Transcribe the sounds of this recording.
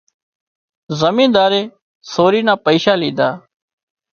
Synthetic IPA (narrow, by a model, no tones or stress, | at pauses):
zəmĩːnd̪aːɾeː | soːɾiːnãːpəiːʃaːliːd̪aː